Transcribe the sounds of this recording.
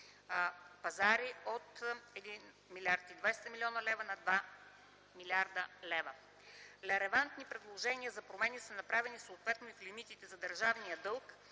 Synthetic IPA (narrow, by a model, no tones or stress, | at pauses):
pɐzaɾiot̪ɛd̪in | milʲiaɾt̪id̪vajst̪ɐmilʲɔnəlɛvənɐd̪va | milʲaɾd̪əlɛvə | lɛɾɛvant̪nipɾɛd̪lˠoʒɛniəzɐpɾomɛnisənɐpɾavɛnisoːt̪vɛt̪noiflimit̪it̪ɛzɐd̪əɾʒavnijəd̪ɤlˠk